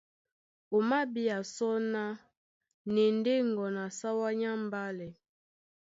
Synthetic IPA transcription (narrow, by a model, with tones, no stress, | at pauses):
o˨ma˦bi˦a˨sɔ˦na˦ | nɛ˨n˦de˦ŋ˨ɡɔ˨na˨sa˦wa˦ɲa˦m˨ba˦lɛ˨